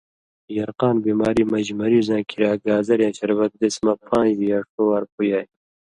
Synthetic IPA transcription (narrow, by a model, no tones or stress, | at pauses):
jɐɾqaːnbiːmaːɾiːmɐd͡ʑmɐɾizãːkʰiɾaːɡaːzɐɾjãːt͡ʃʰɐɾbɐt̪̚d̪esmɐpʰãːd͡ʑjaʂʈoːwaːɾpujaːj